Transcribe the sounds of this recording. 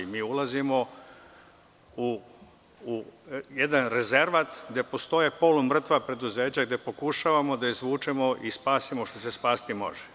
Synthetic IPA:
miːulˠazimo̞ | uː | jed̪anɾeze̞ɾʋat̪ɡd̪e̞post̪o̞jepo̞lumr̩t̪ʋapɾe̞d̪uze̞ːt͡ɕaɡd̪e̞po̞kuʃaʋamo̞d̪aizʋuːt͡ʃe̞mo̞ʔispaːsimo̞ʃt̪o̞se̞spaːsi̥t̪imo̞̰ʒe̥

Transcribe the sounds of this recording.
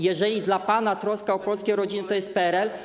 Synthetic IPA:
jɛʐɛlʲid̪lapanat̪ɾɔskaɔpɔlskʲeɾɔd͡ʑinɘt̪ɔjɛst̪̚pɛɛɾɛl

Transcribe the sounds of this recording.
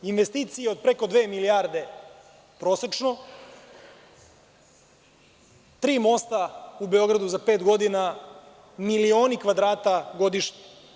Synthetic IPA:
inʋest̪iːt̪sijeo̞d̪̚pɾeko̞d̪ʋeːmiliaːɾd̪e̞ | pɾo̞ːset͡ʃno̞ | t̪ɾiːmo̞st̪aubeo̞ɡɾad̪uzapeːt̪ɡo̞d̪ina | milio̞ːnikʋad̪ɾaːt̪aɡo̞d̪iʃɲe

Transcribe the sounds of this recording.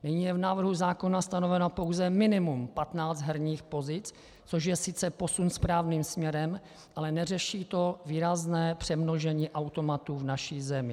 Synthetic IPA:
nɪɲiːjɛvnaːvr̩ɦuzaːko̞nast̪ano̞vɛnapo̞wzɛmɪnɪmumpat̪naːd͡zd̪ɦɛɾɲiːxpo̞zɪt͡s | t͡so̞ʃjɛsɪt͡sɛpo̞sunspɾaːvniːmsmɲɛɾɛm | ʔalɛnɛrɛʃiːt̪o̞viːɾaznɛːpr̝̥ɛmnoʒɛɲiːʔawt̪o̞mat̪uːvnaʃiːzɛmɪ

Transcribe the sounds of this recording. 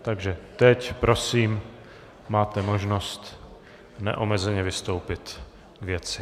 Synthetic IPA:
t̪aɡʒɛt̪ɛcpɾʔo̞siːm | maːt̪ɛmo̞ʒnost̪ | nɛ̰ʔomɛzɛɲɛvɪst̪o̞wpɪt̪ | ɡvjɛt͡sɪ

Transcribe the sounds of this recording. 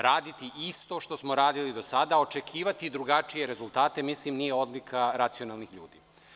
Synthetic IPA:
ɾaːd̪it̪iʔist̪o̞ʃt̪o̞smo̞ɾaːd̪ilid̪o̞sad̪ao̞t͡ʃe̞kʰiːʋat̪id̪ɾuɡat͡ʃije̞ɾe̞zulˠt̪aːt̪e̞mislimnijeo̞d̪likʰaɾat̪sio̞nalˠnixʎṵːd̪ḭː

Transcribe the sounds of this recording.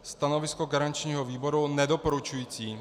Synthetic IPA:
st̪ano̞vɪskoɡaɾant͡ʃɲiːɦoviːbo̞ɾunɛdopoɾut͡ʃujiːt͡siː

